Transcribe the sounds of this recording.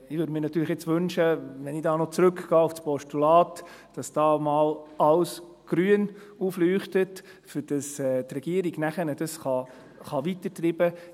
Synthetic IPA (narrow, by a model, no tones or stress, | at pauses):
ɪʋøɾdmɪːɾnɑt̪ːyːɾləχjɛt͡sʋɵnʃəʋɛnɪdɑːnɔt͡sɾɵkɡ̥ɑːufspɔʃtulɑːtd̥ɑsd̥ɑːmɑːlɑls | ɡ̥ɾyən | uflyːχtət | fɪd̥ɑsɛːtrɛɡ̥iəɾiɡ̥næχənəd̥ɑsχɑ | χɑʋitətribə